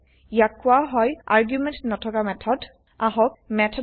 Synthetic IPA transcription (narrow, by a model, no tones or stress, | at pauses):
jakːʊaɦɔja̰ɹɡjumɛ̃ntnɔtʰɔkamɛtʰɔd | aɦɔkmɛtʰɔ